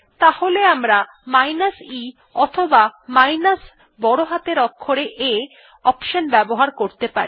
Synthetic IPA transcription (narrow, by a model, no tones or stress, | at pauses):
t̪aholeamɾa | majnasi | ɔt̪ʰobamajnas | bɔɽoɦat̪eɾɔkʰːoɾeʔe | ɔpʃonbɛboɦaɾkoɾt̪epa̰ɾi